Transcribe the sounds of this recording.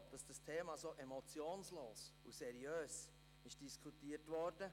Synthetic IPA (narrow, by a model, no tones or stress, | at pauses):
d̥ɑsd̥ɑstʰeːmasoːʔɛmɔt͡sjoːnsloːsusɛɾiøːs | ɪʃd̥iskʰutiːətʋɔrd̥ə